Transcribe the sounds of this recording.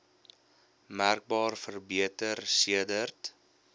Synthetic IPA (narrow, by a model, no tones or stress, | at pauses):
mærk̚bɑːrfərbiətərsiədərt